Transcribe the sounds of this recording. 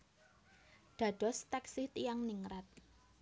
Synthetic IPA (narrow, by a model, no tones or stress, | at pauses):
d̪̥ä̤ɖ̥ɔ̤st̪aksiht̪ijaŋniŋɾat̪̚